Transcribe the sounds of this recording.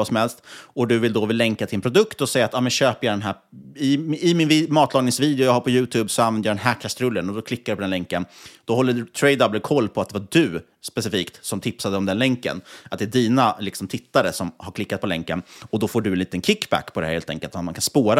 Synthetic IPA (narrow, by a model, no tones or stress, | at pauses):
vɑːsɔmhɛlst̪ɔd̪ɵvɪld̪ɔvɪlːɛŋkat̪ʰɪɛnpʰɾʊd̪ɵkt̪ɔsɛjat̪ɑːmɛnɕøːpəjɑd̪ɛnɦæːɪɪmɪnvmɑːt̪ʰlɑːɡnɪŋsviːd̪ɛʊjɑːɡhaɾpʰɔjʉ̟ːt̪ʰʉːbsɔanvɛnd̪jad̪ɛnɦækʰast̪ɾɵlːənɔd̪ɔkʰlɪkːaɾɵpʰɔd̪ɛnɛŋkːənd̪̥ɔɦɔlːət̪ʰɾɛd̪ɑbləkʰɔlːpʰɔat̪̚d̪ɛvaɖɵ | spɛsɪfiːkt̪sɔmt̪ʰɪpsad̪əɔmd̪ɛnlɛŋkːə̰nat̪̚d̪ɛæɖiːnalɪksɔmt̪ʰɪt̪ːaɾəsɔmhaɾkʰlɪkːat̪̚pʰɔlɛŋkənɔd̪ɔfoːɖɵɛnliːt̪ənkʰɪkːbæ̰kːpʰɔd̪ɛhæɾheːlt̪ʰɛ̰ŋkəlt̪at̪mankʰanspoːɾa